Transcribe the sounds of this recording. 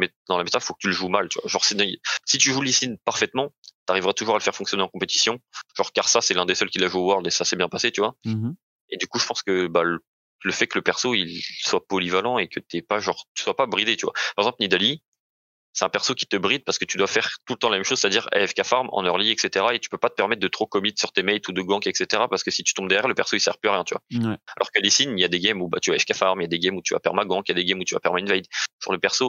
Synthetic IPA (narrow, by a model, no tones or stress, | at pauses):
mɛd̪ɑ̃lamet̪alfokə̥t̪yləʒumalt̪yvwa̰ʒɑ̃ʁsid̪̃sit̪yʒulisinpaʁfɛt̪mɑ̃t̪aʁivʁat̪uʒuʁaləfɛʁfɔ̃ksjɔneɑ̃kɔ̃pet̪i̥sjɔ̃ʒɑ̃ʁkaʁsasɛlɛ̃d̪esœlkʲilaʒuowœʁld̪esasɛbjɛ̃paset̪yvwa | ed̪ykuʒəpɑ̃skəbal | ləfɛkələpɛʁsoilswapɔlivalɑ̃ekət̪yɛpaʒɑ̃ʁt̪y̥swapabʁid̪et̪yvwa̰paʁɛɡzɑ̃plnid̪ali | sɛt̪ɛ̃pɛʁsokʲi̥t̪əbʁid̪̚paʁsə̥kət̪yd̪wafɛʁt̪ulət̪ɑ̃lamɛmʃozset̪ad̪iʁɛ̰fkafaʁmɑ̰̃nœʁliɛkset̪eʁaet̪y̥pøpat̪ə̥pɛʁmɛt̪̚d̪ət̪χokɔmit̪syʁt̪emɛjt̪ud̪əɡɑ̃kɛkset̪eʁapaʁsə̥kəsit̪y̥t̪ɔ̃bd̪ɛʁjɛʁləpɛʁsoilsɛ̰ʁpløʁjɛ̃t̪yvwa̰alʔɔ̰ʁkalesiniljad̪eɡʲɛmuba̰t̪yvaɛfkafaʁmijad̪eɡɛmut̪yva̰pɛ̰ʁmaɡɑ̃kjad̪eɡɛmut̪yva̰pɛʁmaynvɛjd̪ʒ̥ṵʁləpɛʁso